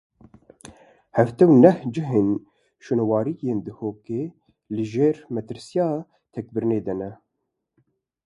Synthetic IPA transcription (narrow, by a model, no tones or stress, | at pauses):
hɛft̪ɛwnɛhd͡ʒɨɦeːn | ʃunwɑːɾijeːnd̪ɨhoːkeː | lɨʒeːɾmɛt̪ɨɾsijɑː | t̪ʰɛk̚bɨɾɨneːd̪ɛnɛ